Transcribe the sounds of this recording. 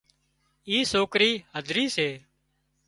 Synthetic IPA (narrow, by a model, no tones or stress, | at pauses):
iːsoːkɾiːɦəd̪ʱɾiːseː